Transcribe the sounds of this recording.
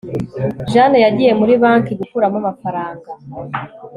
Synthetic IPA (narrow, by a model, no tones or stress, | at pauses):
ʒanejaɟije̞muɾiβaːŋkiɡukuɾamamafaɾaːŋɡa